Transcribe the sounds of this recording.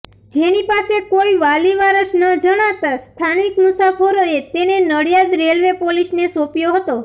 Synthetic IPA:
d͡ʒenipasekoiʋaliʋaɾəʃnəd͡ʒəɽ̃at̪ast̪ʰanikmʊsafoɾoet̪enenəɽijad̪ɾelʋepolisnesopjoɦət̪o

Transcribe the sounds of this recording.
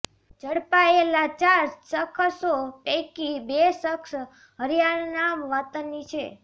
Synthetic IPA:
d͡ʒʱəɽpaelat͡ʃaɾsəkʰsopɛkibesəks | ɦəɾjaɾnamʋət̪ənːit͡ʃʰe

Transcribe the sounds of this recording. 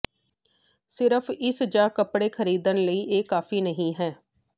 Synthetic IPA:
sɪɾəfʰɪsd͡ʒaːkəpɽeːkʰəɾiːd̪ənləiːʔeːkaːfʰiːnəɦĩːɦɛː

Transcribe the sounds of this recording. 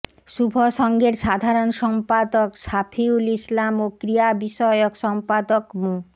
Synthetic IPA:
ʃubʱoʃɔŋɡeɾʃad̪ʱaɾonʃɔmpad̪oksapʰiulislamokɾijabiʃɔeokʃɔmpad̪okmũ

